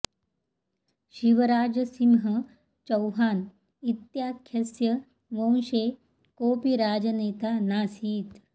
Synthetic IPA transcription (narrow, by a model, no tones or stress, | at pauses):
ɕiʋəɾaːd͡ʑəsimɦə | t͡ʃɐwɦaːn | it̪jakʰjɐsjə | ʋəw̃ɕe | koːpiɾaːd͡ʒəneːt̪anaːsiːt̪